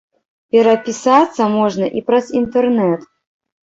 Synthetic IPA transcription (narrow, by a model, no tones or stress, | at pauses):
pʲɛɾɐpʲisat̪sːɐmɔʐnɐʔipɾɐzint̪ɛrnɛt̪